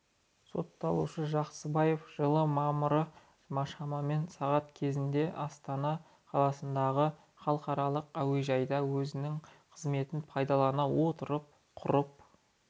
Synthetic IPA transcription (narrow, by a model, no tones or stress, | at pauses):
so̞̰t̪ːɑlˠṵʃəʒɑqsəbɑje̞fʒ̥əlˠəmɑʁmʊɾə | ʒəmɑʃɑmɑme̞nsɑʁɑt̪kʲʰe̞zɪnd̪e̞ʔɑst̪ɑnɑ | qʰɑlˠɑsənd̪ɑʁə | χɑlˠqɑɾɑlˠəqæwe̞ʒɑjd̪ɑwɵzɪnɪŋqʰəzme̞t̪ɪnpʰɑjd̪ɑlˠɑnɑwo̞t̪əɾəp̚ | qʰʊ̰ɾəp̚